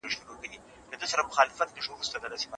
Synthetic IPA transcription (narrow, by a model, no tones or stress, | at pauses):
eʃuɾokad̪i | ləd̪əsaɾamʊxɑlɪfat̪nəʂowɾust̪ad̪ad̪asema